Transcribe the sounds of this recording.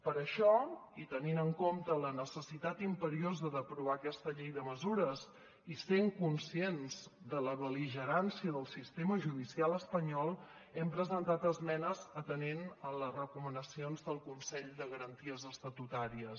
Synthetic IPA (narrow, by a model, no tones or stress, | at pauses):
pəɾəʃɔit̪əninəŋkomt̪ələnəsəsit̪at̪impəɾiozəðəpɾuβ̞akɛst̪əʎejðəməzuɾəz | iseŋkunsienz̥d̪ələβəliʒəɾansiəðəlˠsist̪eməʒuðisialˠəspəɲɔlˠɛmpɾəzənt̪at̪əzmɛnəzət̪ənenələzrəkumənəsionzðəlˠkunsɛʎd̪əɣəɾənt̪iəzəst̪ət̪ut̪aɾiəs